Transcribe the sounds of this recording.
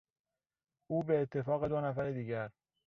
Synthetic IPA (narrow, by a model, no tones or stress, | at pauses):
ʔuːbeːt̪ʰːe̞fɒːɣe̞d̪onæfæɾed̪iːɟæɾ